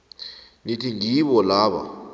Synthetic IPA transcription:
nitʰiŋiɓɔlaːɓa̰

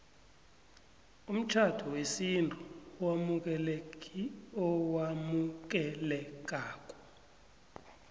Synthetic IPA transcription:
um̩t͡ʃʰad̥ʰʱɔwesintʰʼuwamuk̬ɛ | ɔwamuk̬ɛlɛk̬aːkʼɔ̥

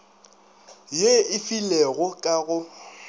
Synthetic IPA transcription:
jeɪfileɣʊkʼaɣʊ

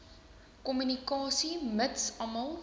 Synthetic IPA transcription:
kɔmynikɑːsimətsɐməlˠ

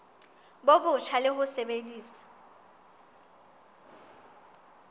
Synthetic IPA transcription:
bobʊt͡ʃʰalɪɦʊsebediːsḁ

